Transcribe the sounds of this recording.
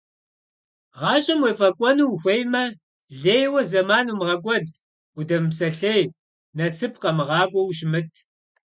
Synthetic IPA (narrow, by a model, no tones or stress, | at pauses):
ʁɑːɕʼɐmwefɐkʷʼɔnuwxʷejmɐ | ɮeːjwɐzɐmaːnuːmʁɐkʷʼɔɮ | udɐmpsɐɬeːj | nɐsɨpʰqɐmɨʁɑːɡʷʼɔwʃ̬mɨtʰ